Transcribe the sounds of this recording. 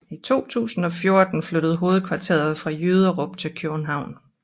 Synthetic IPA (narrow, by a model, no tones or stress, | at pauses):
it͡sʰo̝̰ːt͡sʰṵːsn̩ɒ̽fjo̝ɐd̥n̩fløɾ̥əð̞̩ˠɦo̝ːð̞̩ˠkʰʋɑ̈t͡sʰe̝̰ɐð̩ˠfʁɑ̈jyːð̞ˠɐʁob̥̚t͡sʰe̝lkʰø̥n̩ɦɑ̈ʊ̰n